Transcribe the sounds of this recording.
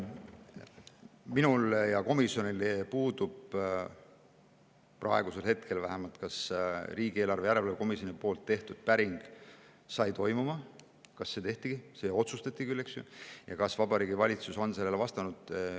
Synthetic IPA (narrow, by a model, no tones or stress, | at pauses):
minuljɑko̞misjo̞nilpuːd̪̥ub̥ | prʔɑe̞ɡuse̞lhe̞t̪̚kʰe̞lvæhemɑlt̪kɑsriːɡ̥ie̞ːlɑrve̞jæɾe̞lvɑleko̞misjo̞nipo̞ːlt̪ːe̞ht̪ud̪̥̚pæɾiŋɡ̥ | sɑjt̪o̞jmumɑ | kɑsːe̞t̪e̞ht̪iɡ̥isejɑo̞t̪sust̪ɑt̪ʲːˑikylːeksjṵjɑkɑsvɑbɑɾiːɡ̥ivɑlʲit̪suso̞nse̞lːelevɑst̪ɑnud̪̥